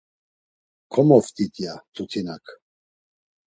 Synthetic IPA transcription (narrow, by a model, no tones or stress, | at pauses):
kʰɔmɔft̪it̪ʼjat̪ʼut̪ʰinak